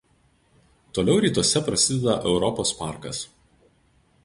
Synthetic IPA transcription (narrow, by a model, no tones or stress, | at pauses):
t̪oːlʲɛʊɾʲiːt̪uɔsʲɛpɾɐsʲɪd̪ʲɛd̪ɐʔɛʊɾɔpoːspɑˑɾkɐs